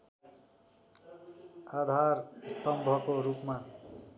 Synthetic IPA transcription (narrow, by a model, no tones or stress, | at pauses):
ad̪ʱarst̪ʌmbʱʌkoɾupma